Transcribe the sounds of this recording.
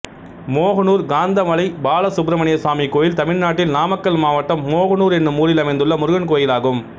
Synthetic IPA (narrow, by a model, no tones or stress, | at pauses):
moːɣɐnuːɾɡaːnd̪ɐmɐlɐɪbaːlɐsʊbɾɐmɐɳɪjɐsaːmikːoːjɪlt̪ɐmɪɻnaːʈːɪlnaːmɐkːɐlmaːʋɐʈːɐmːoːɣɐnuːɾɛnːɯmuːɾɪlɐmɐɪnd̪ɯɭːɐmʊɾʊɣɐnkoːjɪlaːɣɯm